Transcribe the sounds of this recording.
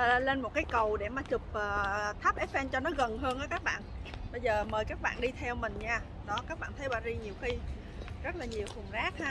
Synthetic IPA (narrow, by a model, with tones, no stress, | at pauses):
le˧nm˨˩t̚kaː˨˦jkə˨˩wɗe˧˩maː˨˩t͡ɕʊ˨˩k͡p̚ʔəː˨˩t̪ʰa˦˥p̚ʔɛ˦˥ʔɛ˧nt͡ɕɔ˧nɔ˨˦ɣə˨˩nɦəː˧nʔaəː˨˦kaː˦˥k̚ɓa̰ː˧˨nɓə˧jzəː˨˩məː˨˩jkaː˦˥k̚ɓa̰ː˧˨nɗi˧t̪ʰɛ˧wmï˨˩ŋ̟ɲaː˧ | ɗɔ˨˦kaː˦˥k̚ɓa̰ː˧˨nt̪ʰə˨˦jɓaː˧˨˩zi˧ɲi˨˩əwxi˧ | zə˦˥t̚laː˨˩ɲi˨˩əwfu˨˩nzaː˦˥k̚haː˧